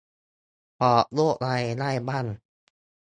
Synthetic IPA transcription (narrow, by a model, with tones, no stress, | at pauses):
pɔ˨˧˩lo˥˩˨ʔla˧jla˥˨jbaː˥˩˨n